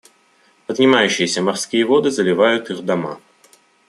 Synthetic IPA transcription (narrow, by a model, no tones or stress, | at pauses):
pəd̪ʲnʲɪmajʉɕːɪjəsʲəmarskʲijəvod̪ɨzəlʲɪvajʊt̪iɣd̪ama̰